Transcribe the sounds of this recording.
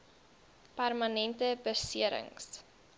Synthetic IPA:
pærmɐnɛntəbərsiəɾə̰ŋs

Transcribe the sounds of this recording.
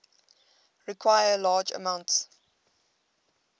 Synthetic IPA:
ɹikʰwaɪəlɑːd͡ʒə̰mãʊ̃nts

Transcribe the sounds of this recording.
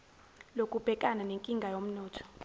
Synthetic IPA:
lokʼub̥ʱɛkʼananeŋkʼiŋɡʱajom̩nɔːtʰɔ̥

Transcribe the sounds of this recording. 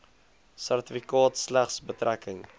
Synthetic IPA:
særtəfikɑːtslæχsbətɾækəŋ

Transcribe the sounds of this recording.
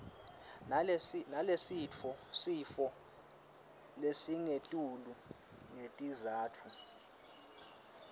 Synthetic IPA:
nalesit͡fʰɔsifɔ | lesiŋetʼulu | ŋetʼizaːtʰu

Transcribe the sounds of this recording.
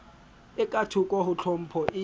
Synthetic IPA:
ɪkʼatʰukʼwɔhut͡ɬʰɔm̩pʰɔʔi

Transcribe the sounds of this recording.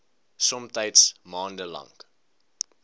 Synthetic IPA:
sɔmtəjtsmɑːndəlɐ̰ŋk

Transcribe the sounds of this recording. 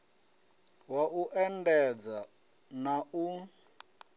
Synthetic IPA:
waʔuʔɛndɛd͡za | nau

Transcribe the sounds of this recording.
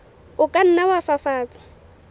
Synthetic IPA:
ʊkʼan̩nawafafaːt͡sʼḁ

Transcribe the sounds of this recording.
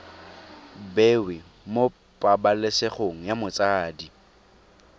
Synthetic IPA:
bewɪ | mo | pʼabaleseχoŋ̩jamʊt͡sʼaːdi

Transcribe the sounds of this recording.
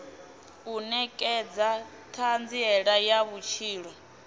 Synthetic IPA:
unɛkʼɛd͡za | tʰand͡ziɛɺajaβut͡ʃʰiːɺɔ

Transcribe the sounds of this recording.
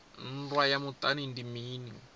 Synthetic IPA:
n̩rwajamut̪ʼanindimiːni

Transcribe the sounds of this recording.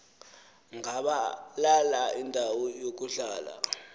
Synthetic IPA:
ŋaɓalalaindʱawɔjok̬uɮaːla̰

